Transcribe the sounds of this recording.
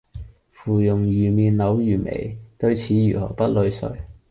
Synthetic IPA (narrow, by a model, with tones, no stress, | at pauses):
fuː˨˩jʊ˨˩ŋjyː˨˩miː˨nlɐ˨˥wjyː˨˩mḛ˨˩jt̪ɵ˧ɥt͡sʰiː˨˥jyː˨˩hɔ̰ː˨˩pɐ˥t̚lɵ˧ɥsɵ̰˨˧ɥ